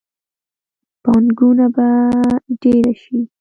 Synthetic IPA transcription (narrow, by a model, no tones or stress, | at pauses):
pɑnɡunabaɖeɾaʃi